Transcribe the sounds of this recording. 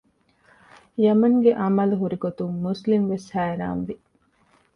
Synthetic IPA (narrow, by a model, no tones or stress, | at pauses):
jɐmɐŋɡeʔɐmɐluɦuɾiɡot̪umːuslimʋeshæːɾa̰ːnʋi